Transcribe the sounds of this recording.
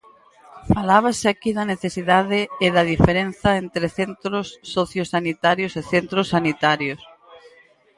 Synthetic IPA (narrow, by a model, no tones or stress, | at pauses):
falaβ̞aseakiðɐneθesiðaðeːðɐðifeɾen̟θɐent̪ɾeθent̪ɾosːoθjosanit̪aɾjoseθent̪ɾosːanit̪aɾjos